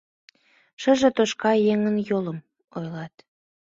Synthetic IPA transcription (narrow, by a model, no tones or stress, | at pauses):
ʃə̆ʒĕt̪oʃkɑjeŋənjoləm | ojlɑt̪